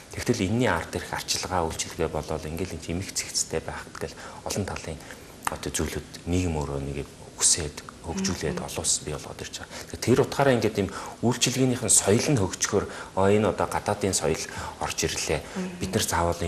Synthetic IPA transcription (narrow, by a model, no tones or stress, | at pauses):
t̪ʰext̪ʰɘ̆ɮenːiːart̪erxar̥t͡ɕɪ̆ɮʁaːujɬt͡ɕɪ̆ɮ̆ɣeːpɔɮɔːɮiŋɡeːɮinxemɘ̆xt͡sʰe̥xt͡s̆t̪ʰeːpæːχə̥̆kt̪ɡeɮɔɮɞ̆nt̪ʰaɮiːŋ | ɔt̪ɔt͡sujɮɘ̆t̪niɣɘ̆moːɾoːneɣ | uxseːt̪xɵkt͡ɕuːɮeːt̪ɔ̰ɮʊːspʲiɔɮʁɔ̰ːt̪ir̥t͡ɕăat̪̆ʰːt̪ʰeɾʊt̪χaːɾaːiŋɡeːt̪imujɬt͡ɕɪ̆ɮɣeːniːχə̆nsɔj̆ɮɘ̆nxɵkt͡ɕxoːrɔːenɔt̪ɔːɢat̪aːt̪iːnsɔjɞ̆ɮɔ̰rt͡ɕiɾɮeːpit̪nə̆rt͡saːwəːɮiː